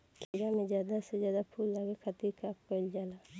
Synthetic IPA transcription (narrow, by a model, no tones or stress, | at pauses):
kʰeːɾamẽd͡ʒjaːd̪asezjaːd̪apʰuːlːaːɡekʰət̪iɾkaːk̚pəld͡ʒaːla